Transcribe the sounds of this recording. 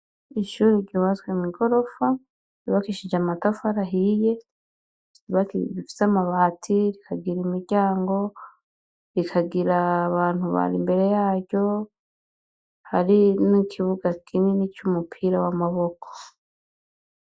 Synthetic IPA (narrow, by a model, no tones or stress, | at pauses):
iʃuːɾiɾɟuːβazwemiɡo̞ɾo̞fa | ɾiβakiʃid͡ʒamatofaɾaɦije̞ | iβakβifi̥samaβaːtʰiɾikʰaɡiɾimiɾɟaːŋɡo̞ | ɾikʰaɡiɾaβaːn̥huβa̰ɾḭmbe̞ɾe̞jaːɾɟo̞ | haɾinikʰiβuɡakʰinenicumupʰiːɾawamaβo̞kʰo̥